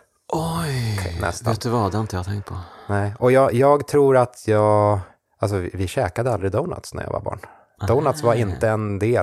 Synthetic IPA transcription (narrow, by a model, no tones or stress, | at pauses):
ʔɔjkʰɛ̰nɛ̰st̪vːt̪d̪vaad̪ɛɪnt̪əjɑt̪ʰɛŋkt̪̚pʰɔnɛɪɔjɑːjɑːɡt̪ʰɾuːɾat̪ʰjɑːɡ | als̬ɔɪvɪɕɛːkad̪əald̪ɾɪd̪oʊna̰t̪snæ̰ɾjɑ̰ːva̰ɾbɑ̰ːɳ | d̪oʊnat̪svaɾɪnt̪əɛnd̪eː